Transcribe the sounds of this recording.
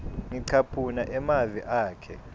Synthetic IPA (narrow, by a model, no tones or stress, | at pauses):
ŋiǀʰapʰunaʔɛmaviʔaːkʰɛ